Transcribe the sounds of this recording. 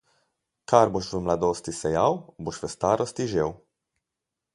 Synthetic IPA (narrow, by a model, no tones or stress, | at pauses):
kaɾboʃʋəmlad̪oːst̪isɛjawboʃʋəst̪aːɾʔɔst̪iʒew